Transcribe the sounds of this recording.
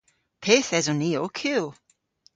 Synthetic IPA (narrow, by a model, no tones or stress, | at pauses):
pʰeθɛzɔniːokʰʉːlˠ